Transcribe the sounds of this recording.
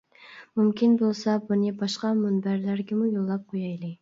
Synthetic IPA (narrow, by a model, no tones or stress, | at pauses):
mumkʲʰinbolˠsɑbunɨbɑʃqɑmunbæɾlæɾɡʲɛmujolˠːɑp̚qʰojɑjlˠɨ